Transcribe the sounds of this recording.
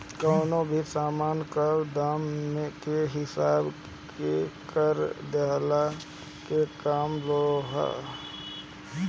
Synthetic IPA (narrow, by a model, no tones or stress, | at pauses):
kəːnobʱisaːmaːnkəɾd̪aːmːekeɦɪsaːb | kekəɾd̪eɦla | kekaːmloɦɛ̰